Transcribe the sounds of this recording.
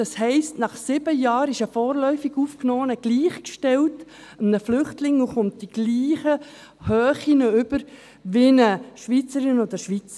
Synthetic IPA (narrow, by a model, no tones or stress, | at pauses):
d̥ɑshɛɪstnɑχsɪb̥əjɑːɾɪʃəfɔːɾlœʏfiɡuːfknɔːənəɡ̥liːχkʃtɛlt | əmnəflʏχtlɪŋuχʊnt̚d̥iɡ̥liːχə | høːχinəʏbəɾ | ʋɪnəʃʋit͡səɾɪnod̪əʃʋit͡sə